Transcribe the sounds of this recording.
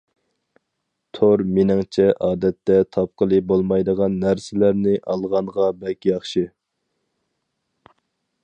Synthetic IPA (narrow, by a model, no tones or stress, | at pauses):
t̪ʰoɾmenɪŋt͡ʃʰɛʔɑːd̪ɛt̪ːɛt̪ʰɑp̚qəlˠɨbolˠmɑjd̪əʁɑnːæɾsɪlæɾnɪʔɑlˠʁɑnʁɑbɛkʲjɑχʃi